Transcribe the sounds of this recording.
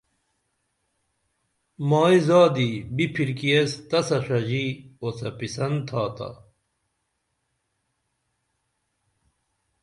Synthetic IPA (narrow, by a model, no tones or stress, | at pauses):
maːizaːd̪ibipʰilkiest̪ɐsɐʂɐd͡ʑiosɐpisɐnt̪ʰaːt̪ɐ̰